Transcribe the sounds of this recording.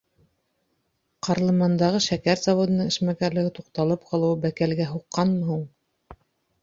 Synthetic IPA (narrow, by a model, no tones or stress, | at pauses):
qʰɑɾlˠɤ̆mɑnd̪ɑʁɤʃækæɾzɑvod̪ɤ̆nɤɴɘ̆ʃmækæɾlɘ̆ɡɘt̪uqt̪ɑlˠɤp̚qʰɑlˠɤ̆wbækælɡæɦuqːɑnlɤ̆ɦuɴ